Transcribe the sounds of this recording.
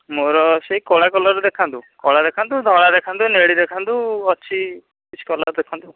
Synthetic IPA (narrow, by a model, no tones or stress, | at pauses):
moɾɔseikɔɭakɔlɔɾd̪ekʰant̪ukɔɭad̪ekʰant̪ud̪ʱɔɭ̃ad̪ekʰant̪uneɽid̪ekʰant̪uɔt͡ʃʰi | kit͡ʃʰi̥kɔla̰ɾd̪ekʰant̪u